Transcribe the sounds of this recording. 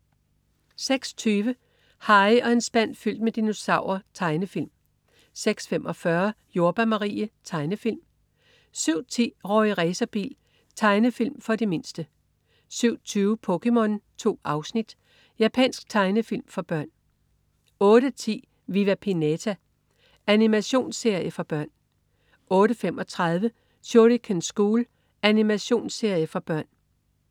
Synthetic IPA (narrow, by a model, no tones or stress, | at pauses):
seɡ̥st͡sʰyːʋə | hɑ̈ɪɒ̽e̝nsb̥æn̰fyl̰d̥med̥ino̝sɑ̈ʊ̰ɐt͡sʰɑ̈ɪnəfil̰m | seɡ̥sfemʔɒ̽fɶɐ | jo̝ɐb̥æmɑʁḭːət͡sʰɑ̈ɪnəfil̰m | syʊ̰t͡sʰḭːʁɒ̰iʁɛːsɐb̥ḭːl | t͡sʰɑ̈ɪnəfil̰mfɒ̽deme̝nsd̥ə | syʊ̰t͡sʰyːʊpʰɔ̽kʰemɔ̽nt͡sʰo̝̰ːɑ̈ʊsnid̥ | jæpʰɛ̰n̰sɡ̥̚t͡sʰɑ̈ɪnəfil̰mfɒ̽b̥ɶɐ̰n | ɔ̽ːɾ̥ət͡sʰḭː | ʋiʋæpʰinet͡sʰæ | ænimæɕo̝̰ːnse̝ɐjəfɒ̽b̥ɶɐ̰n | ɔ̽ːɾəfemʔɒ̽t͡sʰʁaðˠʋə | ɕoɾikʰensɡ̥uːl | ænimæɕo̝̰ːnse̝ɐ̰jəfɒ̽b̥ɶɐ̰n